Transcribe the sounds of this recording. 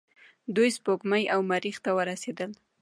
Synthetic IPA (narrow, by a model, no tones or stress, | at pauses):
d̪ujspokmajawmaɾixt̪awəɾased̪əl